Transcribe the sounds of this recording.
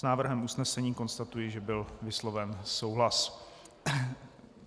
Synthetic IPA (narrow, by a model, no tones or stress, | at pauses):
snaːvr̩ɦɛmʔusnɛsɛɲiːko̞nst̪at̪ujɪʒɛbɪlvɪslovɛnso̞wɦlas